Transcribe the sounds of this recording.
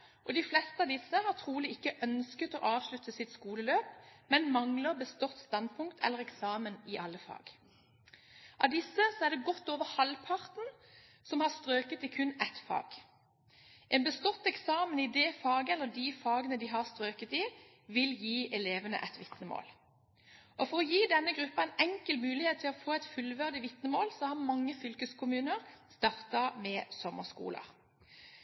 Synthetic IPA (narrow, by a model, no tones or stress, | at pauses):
ʔɔd̪ɪflɛst̪əɑʋd̪ɪsːəhɑʁt̪ʰʁuːlɪɪkːəʔœnskət̪o̰ːʔɑːʋʃlʉt̪ːəsɪt̪skuːləløːpmɛnmɑŋləʁbəst̪ɔt̪st̪ɑn̚pʰʊŋkt̪ʰɛ̰lːəʁɛksɑːmənɪʔɑlːəfɑ̰ːɡ | ʔɑʋd̪ɪsːəsɔæʁd̪ɛɡɔt̪ːoːʋəʁhɑlpʰɑʁt̪n̩ | sɔmhɑʁst̪ʁøːkət̪ɪkʰʉnːɛt̪fɑ̰ːɡ̥ | ʔɛnbəst̪ɔt̪ːɛksɑːmənɪd̪ɛfɑːɡɛlːəd̪ifɑːɡənəd̪ɪɦɑʁst̪ɾøːkət̪ɪ | ʋɪljiːʔɛleːʋənə̰ʔɛt̪ʋɪt̪nəmo̰ːl | ʔɔfɔʁɔjiːd̪ɛnːəɡʁʉpːɑæɛnɛŋkəlmʉːlɪheːt̪ʰːɪlɔfoːæɪt̪fʉlʋæʁd̪ɪʋɪt̪nəmoːlsɔhæmɑŋːəfʏlkəskʰʊmʉːnəʁst̪ɑʁt̪ɑmɛsɔmːəskṵːlə̰